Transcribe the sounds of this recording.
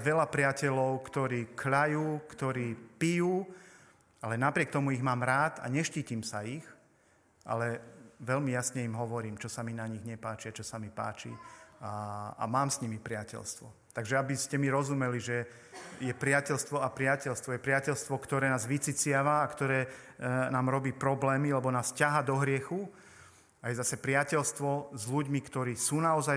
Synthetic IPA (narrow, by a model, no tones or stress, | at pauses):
ʋɛlapɾɪacɛlɔʊkt̪ɔɾiːkʎajuːkt̪ɔɾiːpijuː | alɛnapɾɪɛk̚t̪ɔmuiɣmaːmɾaːt̪a̰ɲɛʃciːcimsaix | ʔa̰lɛʋɛʎmijasɲɛimɦɔʋɔɾiːmt͡ʃɔsaminaɲiɣɲɛpaːt͡ʃiat͡ʃɔsamipa̰ːt͡ʃḭaa̰maːmsɲimipɾɪacɛ̰lst̪ʋɔ | t̪aɡʒɛabiscɛmiɾɔzumɛliʒɛ | jɛpɾɪacɛlst̪ʋɔapɾɪacɛlst̪ʋɔjɛpɾɪacɛlst̪ʋɔkt̪ɔɾɛːnaːzʋit͡sit͡sɪaʋaːkt̪ɔɾɛː | naːmɾɔbiːpɾɔblɛːmilɛbɔnaːscaɦaːd̪ɔɦɾɪɛxu | ajɛzasɛpɾɪacɛlst̪ʋɔzʎuɟmikt̪ɔɾiːsuːnaɔza